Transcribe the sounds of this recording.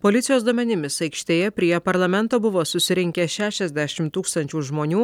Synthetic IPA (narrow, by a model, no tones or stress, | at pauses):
poːlʲɪt̪ʲɪjoːsd̪uɔmʲɛnʲɪmʲɪsɐɪkʃʲt̪ʲeːjɛpʲɾʲiːɛpɐɾlˠɐmʲɛnt̪oːbʊʋoːsʊsʲɪɾʲɪŋʲkʲɛʃʲæːʃʲɛzʲd̪ʲæʃʲɪmt̪uːkst̪ɐnʲt͡ʃʲuːʒmoːnʲuː